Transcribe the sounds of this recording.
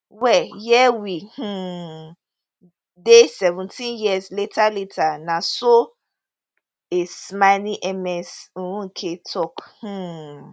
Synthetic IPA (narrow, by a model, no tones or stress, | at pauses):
wɛjɛwihũ | desɛvũntʰĩnjiazletʰaletʰanasɔ | esmaniʔɛmɛs̩ũkʰetʰɔkh̩